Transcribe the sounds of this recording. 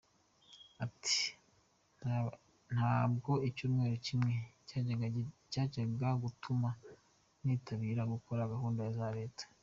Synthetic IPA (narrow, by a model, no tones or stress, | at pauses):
ati̥ | n̥haːb̚ɡo̞icuːmŋe̞ːɾocimŋe̞ | caːɟaɡaɡutʰuma | n̥iːtaβiːɾaɡukoɾaɡaɦuːndajazaɾeːtḁ